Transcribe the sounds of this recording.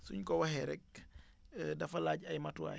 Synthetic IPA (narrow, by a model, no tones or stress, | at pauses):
suɲkɔwɐɦɛɾɛk̚ | dɐfɐlaːɟɐjmɐtua̰